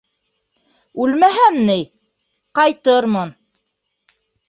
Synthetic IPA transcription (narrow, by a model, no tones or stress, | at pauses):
ʉlmæɦænːɘj | qɑjt̪ɤɾmɤn